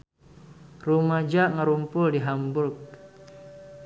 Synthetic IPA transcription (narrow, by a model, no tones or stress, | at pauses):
rumad͡ʒaʔŋəɾumpʊldiɦambʊrk̚